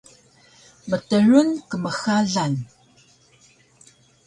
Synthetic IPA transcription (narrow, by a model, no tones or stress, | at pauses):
mətəɻunkəməxaɮan